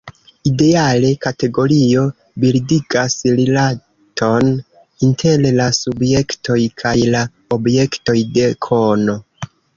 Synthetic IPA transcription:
ide̞ale̞kate̞ɡo̞ɾio̞ | bildiɡasɾila | tʰo̞n | intʰe̞llasubje̞kto̞jkʰajla | obje̞kto̞jde̞kʰono̞

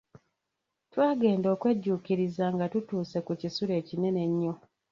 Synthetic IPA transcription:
twaːɡe̞ːndo̞ːkwe̞ɟːuːkiɾizaŋɡatutuːse̞kucisuɾe̞ːcine̞ne̞ɲːo

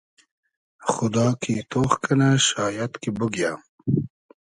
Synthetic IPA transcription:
xʊd̪ɑːkʰit̪ʰoxkʰanaʃɑːjat̪kibʊɡjam

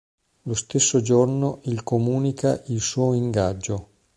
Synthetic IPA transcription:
lost̪esːod͡ʒornoʔilkomuːnikaʔilsuːiŋɡad͡ʒːo

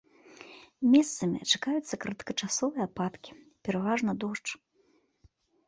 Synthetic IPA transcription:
mʲɛst̪sɐmʲḭt͡ʂakajut̪sːɐkɾɐt̪kɐt͡ʂasɔvɨjɐpat̪kʲi̥pʲɛɾavaʐnɐd̪ɔʂt͡ʂ

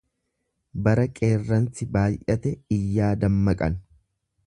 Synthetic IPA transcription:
bɐɾɐkʼe̞ːrːɐnsɪbaːjʔɐt̪ɛɪjːaːd̪ɐmːɐkʼɐn

